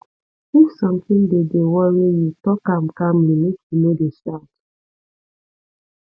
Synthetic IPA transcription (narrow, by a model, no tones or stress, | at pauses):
usɔ̃mtĩndedewɔɹijutɔkãmkamlimekjunodeʃat